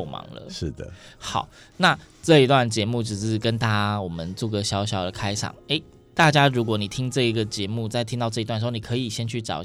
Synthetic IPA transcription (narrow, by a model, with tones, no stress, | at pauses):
mɑ̰˨˥ŋlə̰˧˦ʂɻ̩˥˩d̪ə̰˩xɑ˨˩ʊ | na˥˨ | ʈ͡ʂɤ˥˨i˧˥t̪wa˥˩nt͡ɕjɛ˧˦mu˥˩ʈ͡ʂɻ̩˨˩ʂɻ̩˥˩kə˦nt̪a˥˩a˥wɔ˨˩mə˦nt͡swu˥˩ɡə˨˩ɕjɑ˧˥ʊɕjɑ˨˥ʊd̪ə˨kʰa˥ɪʈ͡ʂʰɑ̰˨˩˦ŋe˧˥ɪ | t̪a˥˩t͡ɕja˥ɻu˧˥k̬wɔ˧˥˦ni˨˩t̪ʰi˦˥ŋʈ͡ʂɤ˥˩i˧˥ɡə˨t͡ɕjɛ˧˥˦mu˥˧t͡sa˥˩ɪt̪ʰi˥ŋt̪ɑ˥˧ʊʈ͡ʂɤ˥˨i˧t̪wnʂ̩˧˥˩ni˨˩kʰɤ˧˥i˨˩ɕjɛ˥nt͡ɕʰy˥˩ʈ͡ʂɑ̰˨˩˦